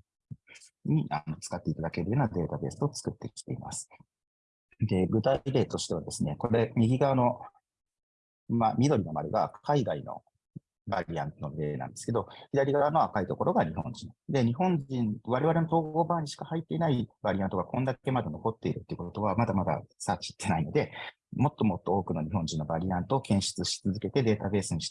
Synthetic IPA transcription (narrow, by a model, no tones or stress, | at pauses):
ɲiʔa̰no̞t͡sɨ̥kat̪ːe̞it̪ad̪ake̞ɾɯ̟jo̞ːnad̪e̞ːt̪abe̞ːsɨo̞t͡sɨ̥kɯ̟t̪ːe̞kʲi̥t̪e̞ima̰sɨ̥ | d̪e̞ɡɯ̟t̪aiɾe̞ːt̪o̞ɕi̥t̪e̞βad̪e̞sɨne̞koɾe̞mʲiɡʲiɡaβano̞ | mamʲid̪o̞ɾʲinoma̰ɾʲɯɡa̰kkʰaiɡaino̞̰ | baɾʲiã̰nnomiɾenã̰nd̪e̞sɨ̥ked̪o̞çʲid̪aɾʲiɡaβano̞akait̪o̞ko̞ɾʔo̞ɡaɲ̟ihõ̞ɲ̟d͡ʑĩŋd̪e̞ɲ̟iɦõ̞ɲd͡ʑĩnβaɾe̞β̞aɾe̞not̪o̞ːɡɡo̞ːbaːɲ̟iɕi̥kahait̪ːe̞inaibaɾʲiãnt̪oɡakõ̞nd̪ake̞mad̪e̞no̞ko̞t̪ːe̞iɾɯ̟t̪ːeiɯ̟kot̪o̞βamad̪amad̪a̰saːt͡ɕi̥t̪ʰːe̞naino̞d̪e̞ | mo̞t̪ːo̞mo̞t̪ːooːkɯ̟no̞ɲ̟iɦõ̞ɲ̟d͡ʑĩnːobaɾʲiãnt̪oːkẽ̞ɰ̃ɕɨ̥t͡sɨɕi̥t͡sɨzɨke̞t̪e̞d̪e̞ːt̪abe̞ːsɨɲ̟iɕt̪